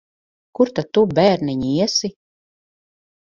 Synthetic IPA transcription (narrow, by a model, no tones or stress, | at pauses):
kuɾt̪at̪ːubæːɾniɲiiɛsi